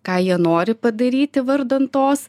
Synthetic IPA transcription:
kɑːjiɛnoːɾʲɪpɐd̪ɐɾʲiːt̪ʲɪʋɐɾd̪ɐnt̪oːs

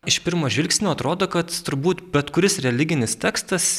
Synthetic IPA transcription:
ɪʃpʲɪɾmoːʒʲʋʲɪlʲksʲnʲoːɐt̪ɾoːd̪oːkɐt̪t̪ʊɾbuːt̪bʲɛt̪kʊɾʲɪsɾʲɛlʲɪɡʲɪnʲɪst̪ʲæːkst̪ɐs

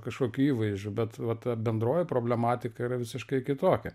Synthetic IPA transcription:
kɐʃkoːkʲuiːʋɐɪzʲd͡ʒʲʊbʲɛt̪ʋɐt̪ɐbʲɛnd̪ɾoːjɪpɾoːbʲlʲɛmɑːt̪ʲɪkɐiɾɐʋʲɪsʲɪʃkɐɪkʲɪt̪oːkʲɛ

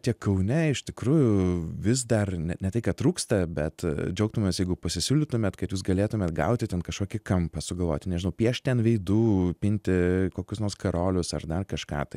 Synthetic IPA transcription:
t̪ʲiɛkɐʊnʲɛɪʃt̪ʲɪkɾuːjʊʋʲɪsd̪ɐrnʲɛnʲɛt̪ɐɪkɐt̪ɾuːkst̪ɐbʲɛt̪d͡ʒʲɛʊk̚t̪ʊmʲeːsjɛɪɡʊpɐsʲɪsʲuːlʲɪt̪ʊmʲeːt̪kɐt̪juːsɡɐlʲeːt̪ʊmʲeːt̪ɡɐ̰ʊt̪ʲɪt̪ʲɛnkɐʃkoːkʲɪkɐmpɐsʊɡɐlˠʋo̰ːt̪ʲɪnʲɛʒʲɪnɐʊpʲiɛʃt̪ʲɛnʋʲɛɪd̪uːpʲɪnʲt̪ʲɪkoːkʲʊsnoːrskɐɾoːlʲʊsɐrd̪ɐrkɐʃkɑ̰ːt̪ɐɪ

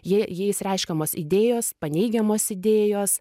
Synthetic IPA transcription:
jijeːjɪsrʲɛɪʃʲkʲɛmoːsɪ̰d̪ʲeːjoːspɐnʲɛɪɡʲɛmoːsɪd̪ʲeːjoːs

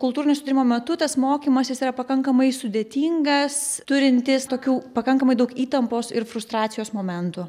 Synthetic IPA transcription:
kʊlˠt̪uːɾɪnʲeːsʊd̪ʲɾʲɪmoːmʲɛt̪ʊt̪ɐsmoːkʲiːmɐsʲjɪsiːɾɐpɐkɐŋkɐmɐɪsʊd̪ʲeːt̪ʲiːŋɡɐst̪ʊɾʲɪnʲt̪ʲɪst̪oːkʲuːpɐkɐŋkɐmɐɪd̪ɐʊkiːt̪ɐmpoːsɪɾfɾʊst̪ɾɑːt̪sʲɪjoːsmoːmʲɛnt̪ʊ

